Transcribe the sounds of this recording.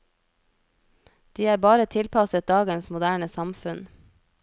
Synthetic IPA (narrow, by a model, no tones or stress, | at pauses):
d̪̥iːæːɾbɑːɾət̪ʰɪlpʰɑsət̪̚d̪ɑːɡənsmʊd̪æːɳəsɑmfʉn